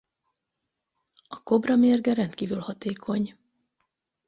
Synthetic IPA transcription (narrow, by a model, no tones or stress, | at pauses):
ɒko̞brɒmerɡɛɾɛnt̪kiːvylhɒt̪eːkʰo̞ɲ